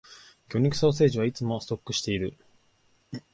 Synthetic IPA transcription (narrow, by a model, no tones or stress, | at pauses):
kʲo̞ɲ̟ikɯ̟so̞ːs̬e̞ːʑiβ̞ait͡sɨmo̞sɨ̥t̪o̞kːɯ̟ɕi̥t̪e̞iɾɯ̟